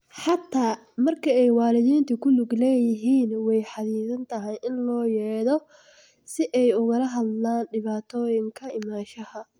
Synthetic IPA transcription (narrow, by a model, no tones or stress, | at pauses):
ħɑt̪ʰːaː | mɐrkʰɐɛjwɑːlɪðiːnt̪ʰʊkʰʊnʊɡlɛːjɪɦiːnwɛjħɑðiːðɐnt̪ʰɐɦɐjʔɪnlɔːjɛːðɔ | sɪʔɛjʊɣɐlɐɦɐd̪laːnɖɪβaːt̪ʰɔːjɪŋkʰɐɪmaːʃɐhɐ